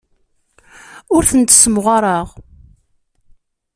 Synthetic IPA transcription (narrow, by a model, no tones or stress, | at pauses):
ʊɾθənt̪səmʁaɾˤɑʁ